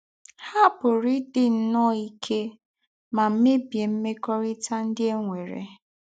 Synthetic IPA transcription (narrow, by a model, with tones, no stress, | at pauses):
ha˦bʊ˨ɾɪ˦dɪ˨n̩˦nɔ˦i˦kʰe˦ | ma˨m̩˦me˦bje˨m̩˦me˦kɔ˦ɾɪ˦ta˦n̩˦dɪ˦e˦ŋʷe˨ɾḛ˨